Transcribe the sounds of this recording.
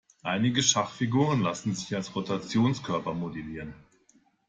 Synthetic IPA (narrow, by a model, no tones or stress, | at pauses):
ʔaɪnɪɡəʃaχfiɡuːʁənlasn̩zɪçalsʁotat͡sjoːnskʰœɐpɐmodeliːʁən